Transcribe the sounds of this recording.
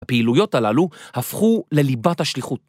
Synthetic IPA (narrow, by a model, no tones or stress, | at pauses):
apeilujo̞talaluhafχule̞libathaʃliχut